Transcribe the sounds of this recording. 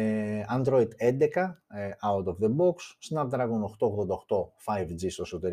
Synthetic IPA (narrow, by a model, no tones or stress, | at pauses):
ɐnd̪ɾo̞id̪end̪e̞kɐawt̪ovðeboksːnɐp̚t̪ɾɐɣunoxt̪oɣðod̪ɐoxt̪o̞fɐjvd͡zist̪osut̪eɾ